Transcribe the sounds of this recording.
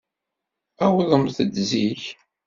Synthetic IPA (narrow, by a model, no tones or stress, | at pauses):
æwðˤəmθəd̪ziç